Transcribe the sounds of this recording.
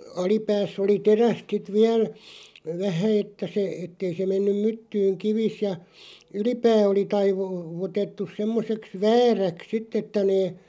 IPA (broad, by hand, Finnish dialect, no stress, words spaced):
ɑlipæːsː oli teræst sit ʋiæl ʋæhæ etːæ se etːei se menːym̆ mytːyːŋ kiʋis jɑ ylipæː oli tɑiʋu ʋutetːus semːoseks ʋæːræks sitˑ etːæ̆ neː